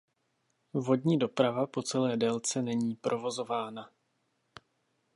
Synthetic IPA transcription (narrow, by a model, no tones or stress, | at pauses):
vo̞dɲiːdo̞pɾavapo̞t͡sɛlɛːdɛlt͡sɛnɛɲiːpɾʔo̞vo̞zo̞vaːna